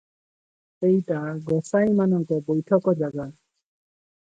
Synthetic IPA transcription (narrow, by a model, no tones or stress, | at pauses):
ejʈaɡɔsajmanɔŋkɔbojʈʰɔkɔd͡ʒaɡa